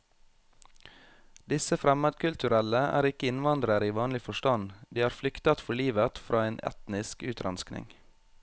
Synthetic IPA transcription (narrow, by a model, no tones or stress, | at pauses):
d̪ɪsəfɾɛmɑd̪kʉlt̪ʉɾɛləæ̰ːɾɪkəɪnʋɑnd̪ɾəɾiːʋɑːnlɪfɔʃtɑnd̪iːhɑːɾflʏkt̪ɑt̪fɔɭiːʋət̪fɾɑːeːnʔɛ̰t̪nɪskʉːt̪ʰɾɑnsknɪ̰ŋ